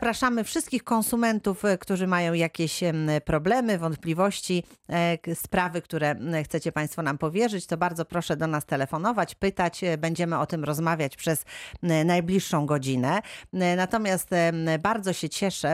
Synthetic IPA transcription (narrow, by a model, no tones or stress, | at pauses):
pɾaʂamɘfʂɘst̪kʲixkɔ̃ñsumɛnt̪ufkt̪uʐɘmajɔ̃w̃jakʲeɕpɾɔblɛmɘvɔnt̪̚plʲivɔɕt͡ɕi | spɾavɘkt̪uɾɛxt̪sɛt͡ɕɛpaj̃st̪fɔnampɔvʲjɛʐɘt͡ɕt̪ɔbaɾd̪zɔpɾɔʂɛd̪ɔnast̪ɛlɛfɔnɔvat͡ɕpɘt̪at͡ɕbɛɲd͡ʑɛmɘɔt̪ɘmɾɔzmavʲjat͡ɕpʂɛznajblʲiʂːɔ̃w̃ɡɔd͡ʑinɛnat̪ɔmʲjast̪baɾd̪zɔɕɛt͡ɕɛʂɛ